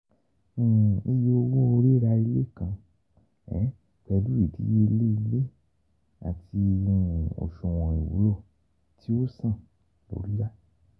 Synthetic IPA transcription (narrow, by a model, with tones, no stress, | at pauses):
i˧je˧o˧wõ˦o˧ɾi˦ɾa˧i˧le˦˨kã˧ | ɛ̰˨˦ | k͡pɛ˧lu˦i˨dḭ˦je˦˧le˦i˧le˦ | a̰˨ti˧ũ˦˧˦o̰˨ʃõ˨w̃ɔ̃˨i˨wṵ˨˦lo˦˨ | tʰi˦o˦sã˦˨ | bo̰˨ɾi˦ɾa˦